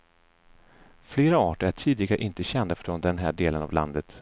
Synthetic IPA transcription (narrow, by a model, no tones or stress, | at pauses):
fleːɾaɑːʈəɾæʈʰiːd̪ɪɡaɾʔɪnt̪əɕɛnd̪afɾoːnd̪ɛnɦæːɖeːləna̰vlʔa̰nd̪ət̪